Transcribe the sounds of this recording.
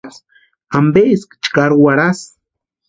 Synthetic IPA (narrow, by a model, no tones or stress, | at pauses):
s | ambeːskt͡ʃkaɾuwaɾas